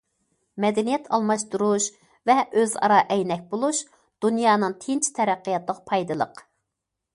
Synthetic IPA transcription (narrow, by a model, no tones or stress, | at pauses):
mɛd̪ɛnijɛt̪ʰɑ̰lˠmɑʃt̪uɾuʃ | vɛʔøzɑ̰ɾɑʔɛjnɛk̚ʲbolˠuʃ | d̪̥unjɑːnɨŋt̪ʰɪnt͡ʃʰt̪ʰɛɾæqːəjɑt̪lˠəqpʰɑjd̪ɨlˠəq